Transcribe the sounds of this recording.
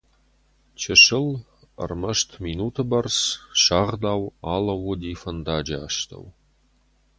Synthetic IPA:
t͡ʃʰɐʂɪl | ə̰rmɐʃtʰminuːtʰɨbɐrsʃaːʁd̪aːwaːlɐwʊd̪iːfɐnd̪aːd͡ʒɐːʃt̪ʰɐ̰w

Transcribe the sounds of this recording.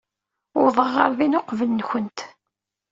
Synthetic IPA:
ʊ̰ɾðˤəʁəɾˤðinʊqvəlnçənt̪

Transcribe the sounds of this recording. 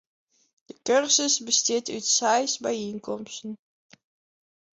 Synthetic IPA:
d̥əkørsəsbəstɪətytsɛjsbɛjinkɔmstən

